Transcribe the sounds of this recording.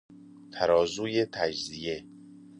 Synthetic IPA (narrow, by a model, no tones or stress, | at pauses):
t̪ʰæɾɒːzuːjet̪ʰæd͡ʒzije